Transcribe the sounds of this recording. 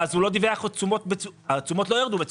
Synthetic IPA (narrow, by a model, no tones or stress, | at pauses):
azhulo̞d̪iveaχot͡sumo̞t̪̚beuat͡sumo̞tlo̞jeʁd̪ubet͡s